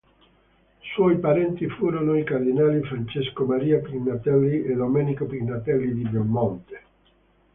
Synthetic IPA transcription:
swɔjpaɾɛnt̪ifuːɾonoikard̪inaːlifɾant͡ʃeskomaɾiːapɾiɡnat̪ɛlːied̪omɛnikopɾinat̪ɛlːid̪ibomːont̪e̥

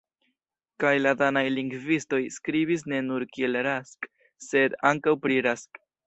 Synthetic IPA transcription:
kajladanajliŋɡvisto̞jskɾibis̬ne̞nuɾkie̞lɾask | se̞d̪aŋkawpɾiɾask

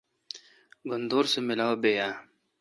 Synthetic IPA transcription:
ɡʊnd̪oːɾsemɪlaːobeːjaː

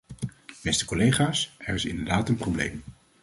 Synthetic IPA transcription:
b̥ɛstə̥kolejχaːsɛɹɪsɪ̰ndəɹdaːtənprowblḛjm

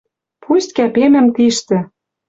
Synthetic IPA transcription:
pʰust̪̚ʲkæpemɘ̆mt̪iʃt̪ɘ̆

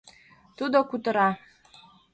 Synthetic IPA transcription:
t̪ʰud̪akʷʰut̪ʼɨɾa

